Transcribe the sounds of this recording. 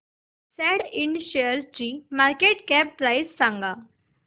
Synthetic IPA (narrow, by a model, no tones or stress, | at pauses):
sɛɽiɳɖɕeɾt͡ɕiːmaɾkeʈkɛp̚pɾajsːãŋɡa